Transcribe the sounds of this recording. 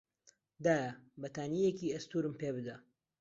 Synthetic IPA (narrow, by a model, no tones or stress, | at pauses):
d̪aːjɐbɐt̪aːnijekiːɐst̪uːɾɨmpeːbɨd̪a